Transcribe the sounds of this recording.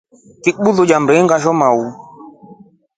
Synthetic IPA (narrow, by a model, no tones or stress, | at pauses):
kiɓuðod͡ʒambɛŋɡaʃɔmau